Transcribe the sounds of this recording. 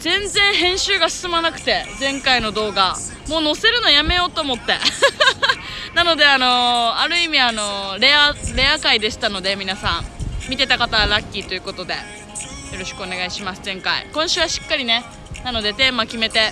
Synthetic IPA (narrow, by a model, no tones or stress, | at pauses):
zẽ̞nzẽ̞ɰ̃ɦẽ̞ɰ̃ɕɨːɡasɨ̥sɨmanakɯ̟̥t̪e̞d͡zẽ̞ŋkaino̞d̪o̞ːɡamo̞ːno̞se̞ɾɯ̟no̞jame̞jo̞ːt̪o̞ːmo̞t̪ːe̞̰ | nano̞d̪e̞ano̞aɾɯ̟imʲiano̞ɾe̞aɾe̞akaid̪e̞ɕi̥t̪ano̞d̪e̞mʲinasã̰ŋmʲit̪e̞t̪akat̪aɾakʲːiːt̪o̞jɯ̟ko̞t̪o̞d̪e̞̰ | jo̞ɾo̞ɕi̥kɯone̞ɡaiɕimasɨzẽ̞ŋkaḭkõ̞ɰ̃ɕɨːβaɕi̥kːaɾʲine̞ | nano̞d̪e̞t̪e̞ːmakʲime̞t̪e̞